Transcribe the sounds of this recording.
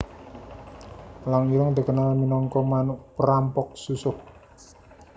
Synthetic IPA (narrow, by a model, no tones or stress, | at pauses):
laŋiləŋd̪əkənalminɔŋkɔmanʊʔpəɾampɔk̚susʊk̚